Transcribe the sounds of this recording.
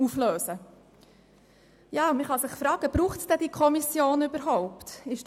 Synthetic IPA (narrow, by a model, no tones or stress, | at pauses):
ufløːsə | jɑːməχɑsɪχfɾɑːɡ̥əb̥ɾuːχtsd̥ɛd̥iːkʰɔmisjoːnybəɾɦoʊpt̪ɪʃ